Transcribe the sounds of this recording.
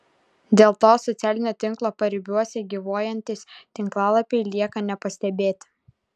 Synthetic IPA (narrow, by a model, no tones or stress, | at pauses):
d̪ʲeːlˠt̪oːsɔt̪sʲæːlʲɪnʲoːt̪ʲɪŋˑklˠoːpɐɾʲɪbʲuɔsʲɛɡʲiʋoːjɛnʲt̪ʲɪst̪ʲɪŋklˠɑːlˠɐpʲɛɪlʲiɛkɐnʲɛpɐsʲt̪ʲɛbʲeːt̪ʲ